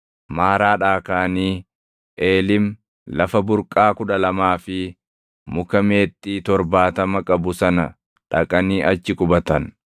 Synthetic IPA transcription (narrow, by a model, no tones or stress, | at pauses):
maːɾaːᶑaːkaːniː | ʔeːlɪm | lɐfɐbʊɾkʼːaːkʊᶑɐlɐmaːfɪ | mʊkɐmeːt̪ʼːiːt̪ɔɾbaːt̪ɐmɐkʼɐbʊsɐnɐ | ᶑɐkʼɐniːʔɐt͡ʃːɪkʊbɐt̪ɐn